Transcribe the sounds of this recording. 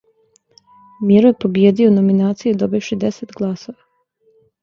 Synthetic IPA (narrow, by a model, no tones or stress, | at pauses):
miɾojpoɡjeːd̪ionominaːt̪sijed̪o̞biʋʃid̪e̞set̪ɡlˠaːso̞ʋa